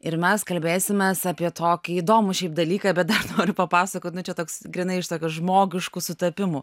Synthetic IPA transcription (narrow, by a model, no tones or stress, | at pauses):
ɪɾmʲɛskɐlʲbʲeːsʲɪmʲesɑːpʲiɛt̪ʰoːkʲɪiːd̪oːmʊʃʲɛɪp̚d̪ɐlʲiːkɐːbʲɛt̪̚d̪ɐrnoːɾʲʊpɐpɑːsɐkoːt̪ʲnʊt͡ʃʲɛt̪oːksɡɾʲɪnɐɪɪʃt̪oːkʲʊʒmoːɡʲɪʃkusʊt̪ɐpʲɪmʊ